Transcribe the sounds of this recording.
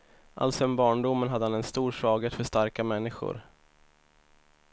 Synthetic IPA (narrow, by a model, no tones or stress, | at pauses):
ʔa̰lt̪sɔɛnbɑːɳɖʊmːənɦad̪ːəhanɛnst̪uːɾʂvɑːɡət̪fœʂt̪aɾkamɛnːɪɧʊ̰ɾ